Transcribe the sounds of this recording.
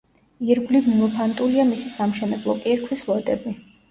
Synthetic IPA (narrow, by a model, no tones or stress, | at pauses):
iɾɡliɡunɔpʰant̪ʼuliamisisamʃɛnɛblˠɔkʼiɾkʰwislˠɔd̪ʼɛbi